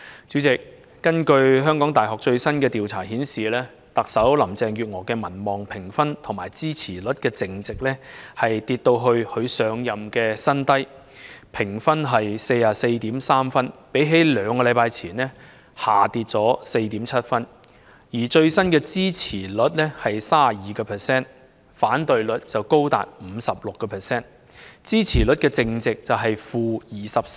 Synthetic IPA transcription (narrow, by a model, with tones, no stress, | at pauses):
t͡ʃy˨˥t͡sɪ˨k̚ː | ɐ˥nkɵ˧ɥɦœː˥ŋkɔː˨˥ŋt̪aː˨˩jɦɔ˨k̚t͡ʃɵ˧ɥsɐ˥nkɛː˧t̪iː˨wt͡sʰa̰ː˨˩hiː˨˥nsiː˨lɛː˥ | t̪ɐ˨k̚sɐ˨˥wlɐ˨˩mt͡sɛː˧ŋjyː˨t̚ŋɔː˨˩kɛː˧mɐ˨˩nmɔː˨˩ŋpʰɪ˨˩ŋfɐ˥nt̪ʰŋmaː˨˩jt͡siː˥t͡sʰiː˨˩lɵ˨˥t̚kɛː˧t͡sɪ˨ŋt͡sɪ˨k̚lɛː˥hɐ˨jt̪iː˧t̚t̪o˧wɦɵ˧ɥhɵ˧ɥsœː˨˧ŋjɐ˨mkɛː˧sɐ˥nt̪ɐ˥j | pʰɪ˨˩ŋfɐ˥nɦɐ˨jse˧jaː˨se˧jt̪iː˨˥msaː˥mfɐ˥npe˨˥jɦe˨˥jlœː˨˧ŋkɔː˧lɐ˨˧jpaː˧jt͡sʰiː˨˩nɛ˥ | haː˨˩t̪iː˧t̚t͡sɔː˨˥se˧jt̪iː˨˥mt͡sʰɐ˥t̚fɐ˥n | jiː˨˩t͡ʃɵ˧ɥsɐ˥nkɛː˧t͡siː˥t͡sʰiː˨˩lɵ˨˥t̚lɛ˥hɐ˨jsaː˥˩˨jiː˨kɔː˧pʰɛː˨˩sɛː˥n | faː˨˥nt̪ɵ˨ɥlɵ˨˥t̚t͡sɐ˨wko˥wt̪a̰ː˨t̚m̩˨˧sɐ˨p̚lʊ˨kːɔː˧pʰɛː˨sɛː˥n | t͡siː˥t͡sʰiː˨˩lɵ˨˥t̚kɛː˧t͡sɪ˧ŋt͡sɪ˨k̚t͡sɐ˨wɦɐ˨jfuː˧jiː˨sɐ˨p̚